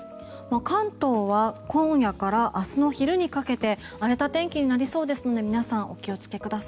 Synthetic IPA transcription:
makãnt̪o̞ːβakõ̞ɰ̃jakaɾaʔasɨno̞çiɾɯ̟ɲ̟ikake̞t̪e̞ | aɾe̞t̪at̪ẽ̞ŋkʲiɲ̟inaɾʲiso̞ːd̪e̞sɨno̞d̪e̞mʲinasãʔo̞kʲio̞t͡sɨ̥ke̞kɯ̟d̪asḁi

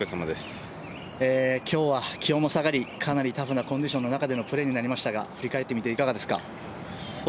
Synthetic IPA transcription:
ɯsamad̪es | eːkʲʰo̞ːβakʲʰijõ̞mo̞saɡaɾʲikʰanaɾʲit̪aɸɯ̟nakoɲd͡ʑiɕõ̞nːo̞nakad̪e̞no̞pɯ̟ɾe̞ɲ̟inaɾʲimaɕi̥t̪aɡa̰ɸɯ̟ɾʲikae̞t̪ːemit̪eikaɡad̪e̞sɨ̥ka̰

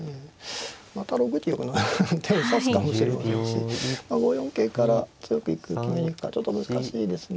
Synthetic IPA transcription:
eː | mat̪aɾo̞ɡɯ̟t̪ʲijokɯ̟not̪ʰẽɰsasɨ̥kamo̞ɕiɾemaseɕḭmaɡo̞jõ̞ŋke̞ːkaɾat͡sɨjo̞kɯ̟ikɯ̟kʲimeɲʲikɯ̟̥kat͡ɕo̞t̪ːomɯ̟zɨkaɕiːd̪e̞sɨn

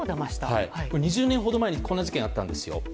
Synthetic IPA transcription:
d̪amaɕi̥t̪ahaikoɲ̟iʑɨːnẽ̞ɰ̃ɦo̞d̪omae̞ɲ̟iko̞nːaʑi̥kẽat̪ːãnd̪esɨjo̞̰

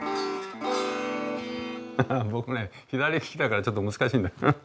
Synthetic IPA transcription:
bokɯne̞ | çid̪aɾʲikʰʲi̥kit̪akaɾat͡ɕot̪̬͈ːomɯsɯ̥kaɕ̬ind̪ao

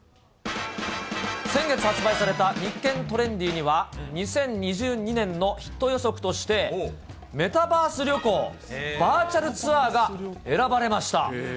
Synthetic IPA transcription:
sẽ̞ŋɡe̞t͡sɨhat͡sɨbaisaɾe̞t̪aɲikːẽ̞nt̪o̞ɾẽ̞ɲd̪ʲiːɲ̟iβaɲ̟isẽ̞ɲ̟ɲiʑɨːɲ̟inẽ̞nːo̞çi̥t̪ːo̞jo̞so̞kɯ̟̥t̪o̞ɕi̥t̪e̞ | me̞t̪abaːsɨɾʲo̞ko̞ː | baːt͡ɕaɾɯ̟t͡sɨaːɡae̞ɾabaɾe̞maɕi̥t̪a̰

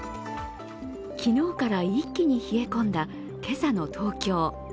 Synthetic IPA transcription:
kʲino̞ːkaɾaikʲːiɲ̟içie̞kõ̞nd̪a | ke̞sano̞t̪ʰo̞ːkʲo̞ː

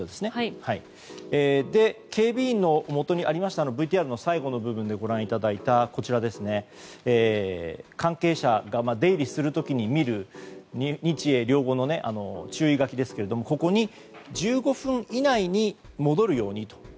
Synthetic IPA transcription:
oːd̪e̞sɨ̥ne̞hai | eːd̪e̞kʰe̞ːbʲiːnːo̞mo̞t̪o̞ɲ̟iaɾʲimaɕi̥t̪anobɯ̟it̪iaɾɯ̟no̞saiɡo̞no̞bɯ̟bɯ̟̃nd̪e̞ɡo̞ɾãɰ̃it̪ad̪ait̪ako̞t͡ɕiɾad̪e̞sɨne̞eːkãŋke̞ːɕaɡamad̪e̞iɾʲisɨɾɯ̟t̪o̞kʲiɲ̟imʲiɾɯ̟ɲɲ̟it͡ɕie̞ɾʲo̞ːɡo̞no̞ne̞ʔa̰no̞̰t͡ɕɨːiɡakʲid̪e̞sɨ̥ke̞ɾe̞d̪o̞mo̞ko̞ko̞ɲ̟i | d͡ʑɨːɡo̞ɸɯ̟̃ɰinaiɲ̟imo̞d̪o̞ɾɯ̟jo̞ːɲ̟it̪o̞̥

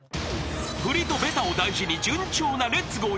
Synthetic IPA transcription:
ɸɯ̟ɾʲit̪o̞be̞t̪aod̪aiʑiɲ̟id͡ʑɨ̃ɲ̟t͡ɕo̞ːnaɾe̞t͡sɨɡo̞ː

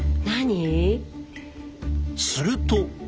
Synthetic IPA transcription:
naɲi | sɨɾɯt̪o

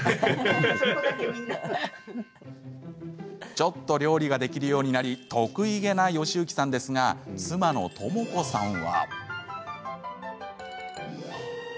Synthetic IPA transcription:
t͡ɕo̞t̪ːo̞ɾʲo̞ːɾʲiɡad̪e̞kʲiɾɯ̟jo̞ːɲ̟inaɾʲit̪ʰo̞kɯ̟iɡe̞naio̞ɕɨːkʲi̥sãnd̪e̞sɨŋat͡sɨmano̞̰t̪ʰo̞mo̞ko̞sãɰ̃βa̰

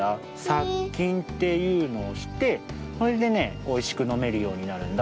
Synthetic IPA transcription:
a | sakʲːĩnt̪e̞jɯ̟ːno̞ːɕi̥t̪e̞soɾed̪e̞ne̞ | o̞iɕi̥kɯ̟no̞me̞ɾɯ̟jo̞ːɲ̟inaɾɯ̟̃nd̪a

